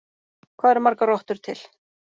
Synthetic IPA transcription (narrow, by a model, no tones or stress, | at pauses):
kʰvaːðɛɾmaɾkarɔht̪ʏɾ̥t̪ʰɪl